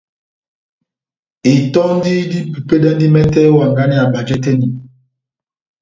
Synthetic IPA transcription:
i˨tɔ˦n˦di˦di˦pu˨pe˦dɛ˦n˦di˦mɛ˦tɛ˦wa˨ŋɡa˦ni˦a˨ba˨d͡ʒɛ˦tɛ˦ni˨

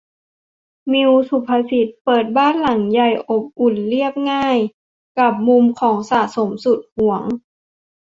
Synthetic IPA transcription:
mi˧wsu˧˦pʰːa˧si˧˦t̪̚pɤː˨˩t̪̚baː˥˨nla˨˩˦ŋja˧˩jʔo˧˩p̚ʔu˨˩nli˥˩əp̚ŋaː˥˩j | ka˧˩p̚mu˧mkʰɔː˩˦ŋsaː˨˩so˨˩˦msu˨˩t̪̚hu˨˩˦əŋ

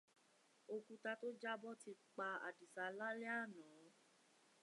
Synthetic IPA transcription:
o˧kũ˧ta˧to˦d͡ʒa˦bɔ˦ti˧k͡pa˧a̰˨di˨sa˧la˦lɛ˦a˦˨nɔ̃ː˨˦

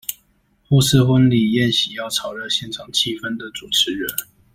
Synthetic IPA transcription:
xɔ˥˧s̩˥˧xwə˥nli˨˩jɛ˥˩nɕi˨˦jɑ˥˩ʊʈ͡ʂʰɑ˨˩ʊɻə˥˧ɕjɛ˥˩nʈ͡ʂʰɑ˨˩ŋt͡ɕʰi˥˩fə˥nd̪ə˨t͡su˨˩ʈ͡ʂʰɻ̩˧˦ɻə˧˦n

